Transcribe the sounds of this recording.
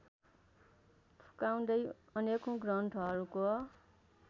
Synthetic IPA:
pʰu̥kaw̃d̪ʌj | ʌnekõɡrʌɳʈʰɦʌɾuko

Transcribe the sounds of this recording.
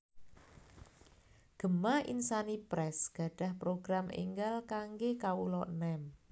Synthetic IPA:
ɡ̥ə̤maḭnsanipɾɛsɡ̥a̤ɖ̥a̤hpɾoɡ̥ɾamḛŋɡalkaŋɡekaulɔʔnɛm

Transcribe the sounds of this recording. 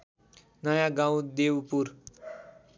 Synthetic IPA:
nʌjaɡãw̃d̪ewpuɾ

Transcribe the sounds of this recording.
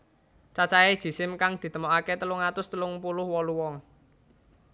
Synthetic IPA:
t͡ʃat͡ʃaed̥ʒ̥i̤sɪmkaŋd̪̥i̤t̪əmɔkaket̪əlʊŋat̪ʊst̪əlʊŋpulʊhwɔluwɔŋ

